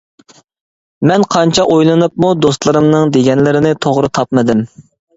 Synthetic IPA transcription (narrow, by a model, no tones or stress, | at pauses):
mɛnqʰɑnt͡ʃʰɑʔojlˠɨnɨp̚mud̪ost̪lˠɨɾɨmnɨŋd̪eɡʲɛnlɪɾɪnɪt̪ʰoʁɾɨt̪ʰɑpmɨd̪ɪm